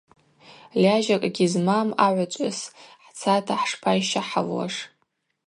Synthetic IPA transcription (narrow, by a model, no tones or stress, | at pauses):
lʲaʒakʼaɡʲizmamaʕʷat͡ʃʷʼʊsħt͡sʰatʰaħʂpʰajʃaħavwa̰ʂ